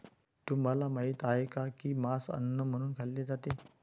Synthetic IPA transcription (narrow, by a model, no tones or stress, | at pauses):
t̪um̤alamait̪aɦekakiːmasə̰nːəm̤əɽ̃uːnkʰalːed͡zat̪e